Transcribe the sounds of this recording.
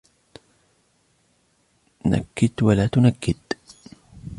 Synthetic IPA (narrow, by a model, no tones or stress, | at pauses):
na̰kːɪd̪walaːt̪ʊnakːɪd̪̥